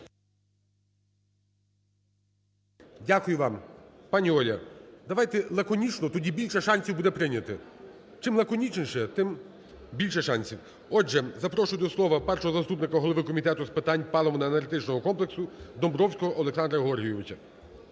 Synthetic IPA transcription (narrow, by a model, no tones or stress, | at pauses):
dʲakʊjʊʋɑmpɑnʲiɔlʲɐ̰d̪ɐʋɑjt̪ɛlˠɐkɔnʲit͡ʃnɔt̪ɔdʲibʲilʲʃɛʃɑnʲsʲiwbud̪ɛpɾɪnʲɐt̪ɪ | t͡ʃɪmlˠɐkɔnʲit͡ʃnʲʃɛt̪ɪm | bʲilʲʃɛʃɑnʲsʲiw | ɔʒɛzɐpɾɔʃʊjd̪ɔslˠɔʋɐpɛrʃɔɦɔzɐst̪upnɪkɐɦɔlˠɔʋɪkɔmʲit̪ɛt̪ʊspɪt̪ɑnʲpɑlˠɔmɔnɐenɐɾʲɪt̪ɪt͡ʃnɔɦɔkɔmplˠeksʊd̪ɔmbɾɔwsʲkɔɦɔʔɔlˠeksɑnd̪ɾɐɦɔrɦijɔʋɪt͡ʃɐ